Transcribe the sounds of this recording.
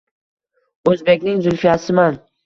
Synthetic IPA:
ɵzbe̞kʲnɪŋzʊlˠfijasɪman

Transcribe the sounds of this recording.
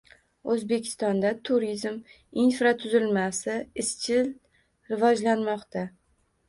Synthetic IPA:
ɵzbe̞kʲʰɪ̥st̪ɒnd̪at̪ʰʊɾizm | infɾat̪ʰʊzɪlmasɪɪst͡ʃʰɪl | ɾɪvɒd͡ʒlanmɒqt̪ʰa

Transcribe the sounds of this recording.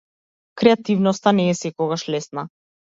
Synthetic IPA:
kɾɛat̪ivnɔst̪anɛːsɛkɔɣaʃlɛsna

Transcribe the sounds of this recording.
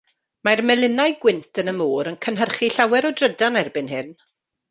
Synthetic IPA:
marmɛlˠɪnajɡwɪntʰənəmuːɾənkʰənɦərχiɬawɛɾɔdrədanɛrbɪnɦɨn

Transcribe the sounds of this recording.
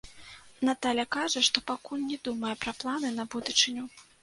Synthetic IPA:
nat̪alʲjɐkaʐɐʂt̪ɔpakulʲnʲɛd̪umɐjɛpɾɐplˠanɨnɐbud̪ut͡ʂɨnʲu

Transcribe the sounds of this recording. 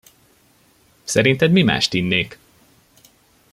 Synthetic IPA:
sɛɾint̪ɛd̪mima̰ːʃt̪inːeːk

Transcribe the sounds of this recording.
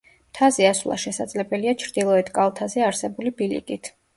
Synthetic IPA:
mt̪ʰazɛasvlˠa̰ʃɛsad̪z̥lɛbɛliat͡ʃʰɾd̪ilˠɔɛt̪ʰkʼalˠt̪ʰazɛaɾsɛbulibilḭkʼit̪ʰ

